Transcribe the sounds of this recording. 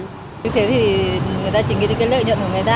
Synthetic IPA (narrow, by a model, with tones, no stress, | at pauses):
ɨ˧t̪ʰe˨˦t̪ʰi˨˩ŋɨ˨˩əjt̪aː˧t͡ɕï˨˩˦ŋḭ˧ɗe˧nkaː˨˦jlə̰ː˧˨ɲə̰˧˨nku˧˩ŋɨ˨˩ə˩jt̪aː˧